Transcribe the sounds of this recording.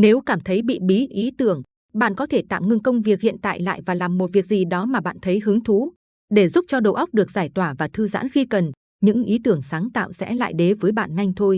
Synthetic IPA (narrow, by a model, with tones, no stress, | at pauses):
ne˨˦wkaː˧˩mt̪ʰə˨˦jɓḭ˧˨ɓi˨˦ʔi˨˦t̪ɨ˧˩əŋ | ɓa̰ː˧˨nkɔ˨˦t̪ʰe˧˩t̪a̰ː˧˨wŋɨ˧ŋkə˧wŋ͡mvi˨˩ək̚hḭ˧˨ənt̪a̰ː˧˨jla̰ː˧˨jvaː˨˩laː˨˩mːo˨˩t̚vi˨˩ək̚zi˨˩ɗɔ˨˦maː˨˩ɓa̰ː˧˨nt̪ʰə˨˦jɦɨ˨˦əŋt̪ʰu˨˦ | ɗe˧˩zu˦˥p̚t͡ɕɔ˧ɗo̰˧˨ʔə˦˥wk͡p̚ɗɨ˨˩ək̚zaː˧˩jt̪waː˧˩vaː˨˩t̪ʰɨ˧za̰ː˧˥nxi˧kə˨˩n | ɲɨ̰˧˥ŋʔi˨˦t̪ɨ˧˩əŋsaː˨˦ŋt̪a̰ː˧˨wsɛ̰˧˥la̰ː˧˨jɗe˨˦vəː˨˦jɓa̰ː˧˨nŋa˧jŋ̟t̪ʰo˧j